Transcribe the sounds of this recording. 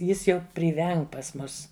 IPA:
ˈjɪs ˈjɛʊ pʲrʲɪˈʋʲɛŋk pɐs ˈmʊs

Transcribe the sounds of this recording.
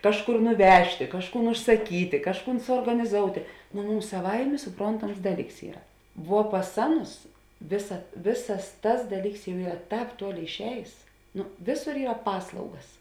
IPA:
ˈkɑːʃˌkʊr nʊˈʋʲæːʃʲtʲeː ˈkɑːʃˌkuːn ʊʃsɐˈkʲiːtʲeː ˈkɑːʃˌkuːn suɔrɡɐnʲɪˈzoːʊtʲeː noː ˈmʊms sɐˈʋɐɪmʲeː sʊˈproːntɐms ˈdɑːˌlʲiːks ˈiːrɐ ʋuɔ pɐs ˈɑːˌnʊs ˈʋʲeːsɐ ˈʋʲeːsɐs ˈtɐs ˈdɑːˌlʲiːks jɛʊ ˈiːrɐ ˈtɑːp ˈtuɔˌlʲeːɪ ɪʃʲˈɛːjeːs ˈnoː ˈʋʲeːˌsoːr ˈiːrɐ ˈpɑːslˠɐʊɡɐs

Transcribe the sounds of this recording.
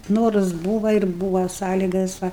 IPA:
ˈnoːrʊs ˈbuːʋɐ ɪr ˈbuːʋɐ ˈsɑːlʲiːɡɐs ˈʋɐ

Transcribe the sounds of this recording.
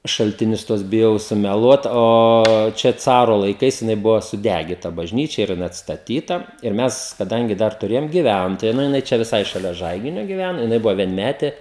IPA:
ʃɐlʲtʲɪˈnʲʊs ˈtuɔs bʲɪˈjɛʊ sʊmʲɛˈlˠuɔt oː ˈt͡ʃʲɛ ˈt͡sɑːroː lˠɐɪˈkɐɪs jɪˈnɐɪ ˈbʊʋoː sʊˈdʲæɡʲɪtɐ bɐʒʲˈnʲiːt͡ʃʲɛ ɪr jɪˈnɐɪ ɐtstɐˈtʲiːtɐ ɪr ˈmʲɛs kɐˈdɐŋʲɡʲɪ ˈdɐr tʊˈrʲeːjoːm ɡʲɪˈʋʲæntoːjɛ nʊ jɪˈnɐɪ ˈt͡ʃʲɛ ʋʲɪˈsɐɪ ʃɐˈlʲɛ ˈʒɐɪɡʲɪnʲoː ɡʲɪˈʋʲænoː jɪˈnɐɪ ˈbʊʋoː ʋʲiɛnʲˈmʲæːtʲeː

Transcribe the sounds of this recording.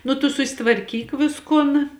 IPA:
ˈnʊ tʊ sʊsʲɪtʋɐrʲˈkʲiːk ˈʋʲɪskʊn

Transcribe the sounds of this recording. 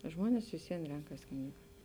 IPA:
ˈʒmuɔnʲɛs ʋʲɪs ˈʋʲiɛn ˈrʲɛŋkɐs ˈknʲiːɡɐ

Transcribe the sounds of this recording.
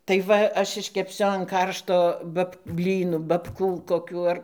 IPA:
tɐɪ ˈʋɐ ˈɐʃ ɪʃʲkʲɛpʲˈsʲʊ ɐn ˈkɐrʃtoː ˈbɐp ˈbʲlʲiːnʊ bɐpˈkuː koːˈkʲuː ɐr

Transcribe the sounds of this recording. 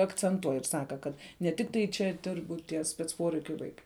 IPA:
ɐkt͡sʲɛnˈtuɔj ɪr ˈsɑːkɐ ˈkɐt nʲɛ ˈtʲɪktɐɪ ˈt͡ʃʲɛ ˈdʲɪrbʊ tʲiɛ sʲpʲɛt͡s ˈpoːrʲɛɪkʲʊ ˈʋɐɪkɐɪ

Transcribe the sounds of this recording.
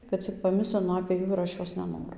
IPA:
kɐt ˈt͡sʲɪk pɐˈmʲɪsʲlʲɪnʊ ɐpʲeː ˈjuː ɪr ˈɐʃ ˈjoːs nʲɛˈnoːrʊ

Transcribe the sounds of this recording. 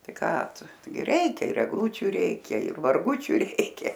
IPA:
ˈtɐɪ ˈkɑː ˈtʊ ˈtɐɪɡʲɪ ˈrʲɛɪkʲɛ ɪr ɛɡˈlˠuːt͡ʃʲʊ ˈrʲɛɪkʲɛ ɪr mɐrˈɡʊt͡ʃʲʊ ˈrʲɛɪkʲɛ

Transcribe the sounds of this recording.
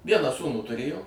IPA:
ˈʋʲiɛnɑː ˈsuːnuː tʊˈrʲeːjoː

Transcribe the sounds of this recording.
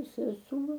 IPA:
sʲɛˈsuɔ

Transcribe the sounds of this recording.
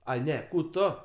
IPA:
ˈɐɪ ˈnʲɛ ˈkuː ˈtoː

